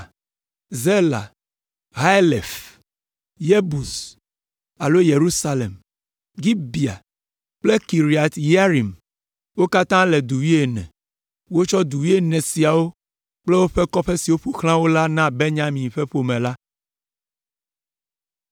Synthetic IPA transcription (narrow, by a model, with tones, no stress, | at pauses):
ze˦la̰˨ | ɦa˦le˨f | je˦bu˨s | a˨lo˦je˨ɾu˦sa˦lḛ˨m | ɡi˦bi˨a̰˨ | k͡ple˦ki˨ɾi˨a˨t̪ja˦ɾi˨m | wo˦ka˦t̪ã˦le˨d̪u˨wi˦e˨nɛ̰̃˨ | wo˦t͡ʃɔ˦d̪u˨wi˦e˦nɛ̃˨si˨a˨wo˦ | k͡ple˦wo˦ɸe˦kɔ˦ɸe˦si˨wo˦ɸu˨xl̃ã˦wo˦la˦nã˦be˦ɲã˦mĩ˨ɸe˦ɸo˨mẽ˨la˦